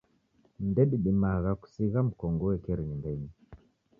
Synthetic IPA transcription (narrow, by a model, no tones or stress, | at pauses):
n̩dɛɗiɗimaɣaku̥siɣam̩kɔŋɡɔwɛkɛɾiɲindɛɲi